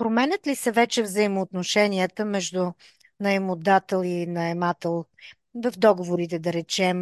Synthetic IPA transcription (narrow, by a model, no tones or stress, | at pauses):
pɾomɛnʲət̪lisɐvɛt͡ʃɛvzəimoːt̪noʃɛniət̪əmɛʒd̪u | nɐɛmʊd̪at̪əlˠinɐɛmat̪əlˠ | vɐfd̪ɔɡovoɾit̪ɛd̪ɐɾɛt͡ʃɛm